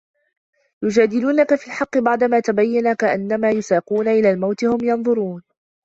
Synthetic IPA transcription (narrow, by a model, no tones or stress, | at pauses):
jʊd͡ʒaːd̪ɪluːnakafiːlħɑqːɨbɑʕd̪amaːt̪abajːanakaʔanːamaːjʊsaːquːnaʔɪlaːlmawt̪ɪhʊmjɑnðˤʊɾuːn